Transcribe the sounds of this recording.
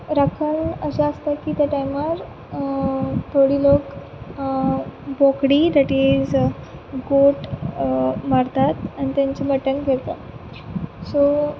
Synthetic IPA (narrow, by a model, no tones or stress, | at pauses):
ɾakʰənəsəəst̪akiːt̪jaʈajmaɾ | t̪ʰoɽiːlok | bokɽiːd̪aʈid͡z | ɡoʈ | maɾt̪at̪añit̪jaɲt͡ɕeməʈənɡʱeɾt̪a̰ | so